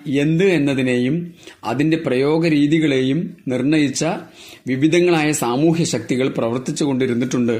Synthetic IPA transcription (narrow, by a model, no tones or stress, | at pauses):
e̞nd̪ɨe̞nːɐðine̞ːjumɐ̰ðinde̞prɐjo̞ːɡɐɾiːðiɣɐɭe̞ːjumnirɳɐjit͡ɕːɐ | ʋiʋid̪ʱɐŋːɐɭaːjɐsaːmuːɦjɐɕɐk̚t̪iɣɐɭprɐʋɐrt̪it͡ɕːuɣo̞ɳɖiɾunːiʈːuɳɖɨ